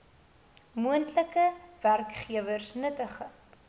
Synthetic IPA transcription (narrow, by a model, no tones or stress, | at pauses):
muəntləkəværkχiəvərsnətəχə